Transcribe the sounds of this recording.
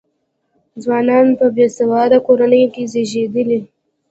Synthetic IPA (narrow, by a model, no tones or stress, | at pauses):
d͡zwɑnɑnpəbjesawɑd̪akoɾanəjokezeʒed̪əli